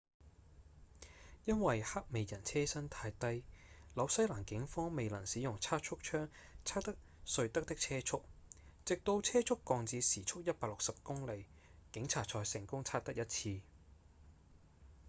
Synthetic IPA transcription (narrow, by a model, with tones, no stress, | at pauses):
jɐ˥nwɐ˨jha˥k̚me˨jjɐ˨˩nt͡sʰɛː˥sɐ˥nt̪ʰaː˧jt̪ɐ˥jlɐ˨˧wsɐ˥jlaː˨˩nkɪ˨˥ŋfɔː˥ŋme˨˧jlɐ˨˩nsiː˨˥jʊ˨˩ŋt͡sʰaː˥t̚t͡ʃʰʊ˥k̚t͡ʃʰœː˥ŋ | t͡sʰaː˥t̪ɐ˥k̚ | sɵ˧ɥt̪ɐ˥k̚t̪ɪ˥k̚t͡sʰɛː˥t͡ʃʰʊ˥k̚t͡sɪ˨k̚t̪o˧wt͡sʰɛː˥t͡sʰʊ˥kːɔː˧ŋt͡siː˨˧siː˨˩t͡ʃʰʊ˥k̚jɐ˥t̚paː˧k̚lʊ˨k̚sɐ˨p̚kʊ˥ŋle˨˧j | kɪ˨˥ŋt͡sʰaː˨t̚t͡sʰɔː˧jsɪ˨˩ŋkʊ˥ŋt͡sʰaː˥k̚t̪ɐ˥k̚jɐ˥t̚t͡sʰiː˧